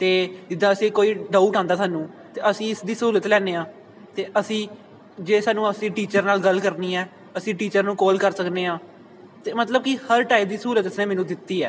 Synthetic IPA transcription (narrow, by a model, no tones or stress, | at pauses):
t̪eːd͡ʒɪd̪ãːəsĩːkoːiːɖaːuʈãːnd̪aːsaːnũː | t̪eːʔəsĩːɪsd̪iːsəuːlət̪lɛːneːãː | t̪eːʔəsĩː | d͡ʒeːsaːnũːəsĩːʈiːt͡ʃəɾnaːlɡəlkəɾniːɛː | əsĩːʈiːt͡ʃəɾnũːkoːlkəɾsəkneːãː | t̪eːmət̪ləb̚kihəɾʈaːip̚d̪iːsɦuːlət̪ɪneːmɛːnũːd̪ɪt̪ːiːɛ̰ː